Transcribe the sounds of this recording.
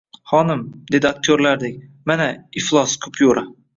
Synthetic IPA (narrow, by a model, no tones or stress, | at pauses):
χɒnɪmd̪e̞d̪ɪak̚t̪ʰjoɾlaɾd̪ɪkʲmanaiflˠɒskʰʊ̥pʰjoɾa